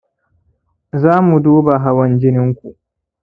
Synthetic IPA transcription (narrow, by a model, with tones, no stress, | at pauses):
zaː˦mu˨duː˦ba˨ɦa˦wɐ˦nd͡ʒɪ˦nɪ˦ŋkʷu˨ʔ